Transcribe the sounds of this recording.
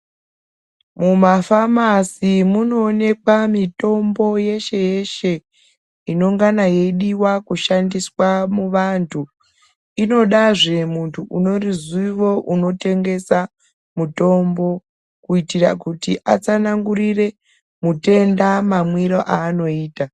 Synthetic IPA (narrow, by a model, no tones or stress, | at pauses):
mumafamasimuno̞ːne̞kwamito̞mbo̞je̞ʃe̞je̞ʃe̞ | ino̞ŋɡanaje̞iɗiwakuʃandiswamuʋantʰu | ino̞ɗaʐe̞muntʰuʔuno̞riziʋo̞ʔuno̞te̞ŋɡe̞sa | muto̞mbo̞ | kuitirakutiʔa̰t͡sanaŋɡuɾire̞ | mute̞ndamamwiɾoʔaːno̞iːta